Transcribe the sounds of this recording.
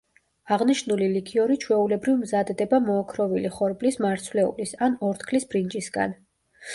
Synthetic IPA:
aʁniʃnulilikʰiɔɾit͡ʃʰwɛulɛbɾivmzad̪d̪ɛbamɔakʰɾɔviliχɔɾblismaɾt̪sʰvlɛṵlisanɔɾt̪ʰkʰlisbɾind͡ʒʼisɡa̰n

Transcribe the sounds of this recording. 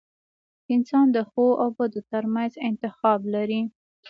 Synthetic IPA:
ɪnsɑnd̪əxoʔawbəd̪ot̪əɾmanzɪnt̪ɪxɑblaɾi

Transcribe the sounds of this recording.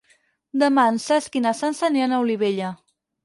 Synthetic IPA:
d̪əmansaskinasansanianauliβeʎa

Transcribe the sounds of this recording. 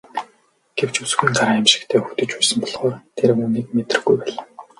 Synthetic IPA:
ɡ̥ew̥t͡ɕut͡s̆xɘ̆ŋɢaɾaːemʃɪ̥̆kt̪ʰeːxut̪ɘ̆t͡ɕpæːsə̆mpɔɮχɔːrt̪ʰeɾɘ̆uːniːk̚met̪rə̆ɡujpæːɮaː

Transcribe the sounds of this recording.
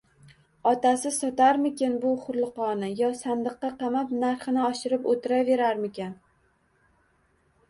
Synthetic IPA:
ɒt̪asɪsɒt̪aɾmɪkʲɪnbʊχʊɾlˠɨqɒnɪjɒsand̪ɨqːɑqɑmapnaɾχɨnɪɒʃɪɾɪpot̪ʰɪɾave̞ɾaɾmɪkʲen

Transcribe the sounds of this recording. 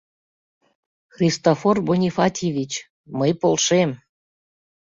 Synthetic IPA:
xrʲist̪oforbonʲifɑt̪ʲevʲit͡ɕ | məjpolˠʃem

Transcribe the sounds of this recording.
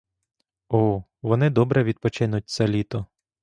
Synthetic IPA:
ɔ | ʋɔnɪd̪ɔbɾɛʋʲid̪̚pɔt͡ʃɪnʊt̚ʲt͡ssʲɛlʲit̪ɔ

